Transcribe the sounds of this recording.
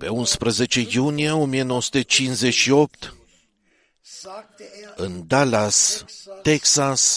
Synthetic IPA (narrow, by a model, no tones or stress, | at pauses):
pe̞unspɾəze̞t͡ʃe̞junijeo̞mijeno̞wosu̥t̪et͡ʃinze̞ʃio̞p̚t̪ | ɨnd̪alast̪eksas